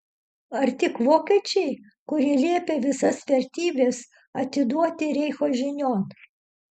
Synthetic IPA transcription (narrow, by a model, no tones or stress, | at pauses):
ɐɾt̪ʲɪkʋoːkʲiɛt͡ʃʲɛɪ | kʊɾʲiɛlʲiɛpʲeːʋʲɪsɐsʋʲɛɾʲt̪ʲiːbʲeːs | ɐt̪ʲɪd̪uɔt̪ʲɪɾʲɛɪxoːʒʲɪnʲoːn